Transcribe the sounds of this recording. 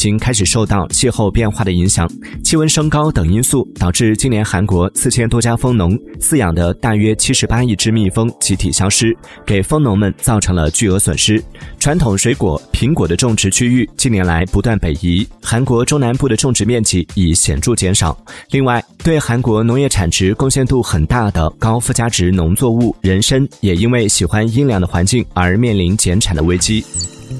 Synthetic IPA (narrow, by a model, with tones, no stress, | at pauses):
t͡ɕi˥ŋkʰa˥ɪʂ̬ɻ̩˨˩ʂo˥˧ʊt̪ɑ˥˧ʊt͡ɕʰi˥˧xo˥˧ʊpjɛ˥˧nxwa˥˩ɾə˩i˧˥ŋɕjɑ̰˨˩˦ŋ | t͡ɕʰi˥wə˥nʂɤ˥ŋkɑ˥ʊt̪ɤ˨˩ŋi˥nsu˥˩t̪ɑ˨˩ʊʈ͡ʂɻ̩˥˩t͡ɕi˥njɛ˧˥nxa˧˥nkwɔ˧˥sɹ̩˥˩t͡ɕʰjɛ˥nt̪wɔ˥t͡ɕja˥fɤ˥ŋnʊ˧˥ŋsɹ̩˥˩jɑ˨˩ŋd̪ə˦t̪a˥˩ɥɛ˥t͡ɕʰi˥ʂɻ̩˧˥pa˥i˥˩ʈ͡ʂɻ̩˥mi˥˩fɤ˥ŋt͡ɕʰi˧˥t̪ʰḭ˨˩ɕjɑ˥ʊʂɻ̩˥ | ke˨˩ɪfɤ˥ŋnʊ˧˥ŋmə˧nt͡sɑ˥˩ʊʈ͡ʂʰɤ˧˥ŋlə̰˧t͡ɕy˥˩ɤ˧˥swə̰˨˩nʂɻ̩˥ʈ͡ʂʰwa˧˥nt̪ʰʊ˨˩ŋʂwe˧˥ɪkwɔ̰˨˩˦pʰi˧˥ŋkwɔ˨˩d̪ə˦ʈ͡ʂʊ˥˩ŋʈ͡ʂɻ̩˧˥t͡ɕʰy˥y˥˩t͡ɕi˥˩njɛ˧˥nla˧˥ɪpu˧˥t̪wa˥˩npe˨˩ɪi˧˥xa˧˥nkwɔ˧˥ʈ͡ʂʊ˥na˧˥npu˥˩d̪ə˩ʈ͡ʂʊ˥˩˧ŋʈ͡ʂɻ̩˧˥mjɛ˥˩nt͡ɕi˧˥˩i˨˩ɕjɛ̰˨˩nʈ͡ʂu˥˩t͡ɕjɛ˧˥nʂɑ˨˩˦ʊli˥˧ŋwa˥˩ɪt̪we˥˩ɪxa˧˥nkwɔ˧˥nʊ˧˥ŋjɛ˥˩ʈ͡ʂʰa˨˩nʈ͡ʂɻ̩˧˥kʊ˥˧ŋɕjɛ˥˧nt̪u˥˩xə˨˩nt̪a˥˩d̪ə˩kɑ˥ʊfu˥˩t͡ɕja˥ʈ͡ʂɻ̩˧˥nʊ˧˥ŋt͡swɔ˥˧u˥˩ɻə˧˥nʂə˥njɛ˨˩i˥nwe˥˩ɪɕi˨˩xwa˥ni˥nljɑ˧˩ŋd̪ə˧xwa˧˥nt͡ɕi˥˩ŋə˞˧˥mjɛ˥˩nli˧˥nt͡ɕjɛ˧˥nʈ͡ʂʰa˨˩nd̪ə˦we˥ɪt͡ɕi˥